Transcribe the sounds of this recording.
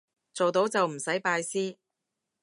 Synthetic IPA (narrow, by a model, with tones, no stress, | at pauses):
t͡so˨wt̪o˨˥wt͡sɐ˨wm̩˨˩sɐ˨˥jpaː˧jsiː˥